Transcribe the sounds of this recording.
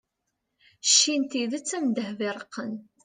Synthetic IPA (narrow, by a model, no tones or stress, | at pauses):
ʃːint̪iðæt͡sːæmd̪əhvɪɾˤəqːən